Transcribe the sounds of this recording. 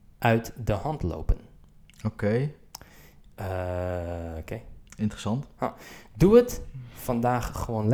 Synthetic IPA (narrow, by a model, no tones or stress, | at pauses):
ʔœɥtdəhɑntlo̰wpənokej | ə | okejɪntɾəsɑntha̰duətfɑndaːχːəʋoːnl